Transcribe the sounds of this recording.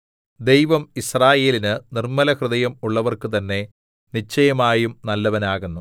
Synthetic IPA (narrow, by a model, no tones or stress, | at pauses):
d̪e̞jʋɐmisraːje̞ːlinɨnirmɐlɐkrɨðɐjɐmuɭːɐʋɐrkɨt̪ɐnːe̞ | nit͡ɕːɐjɐmaːjumnɐlːɐʋɐnaːɣunːu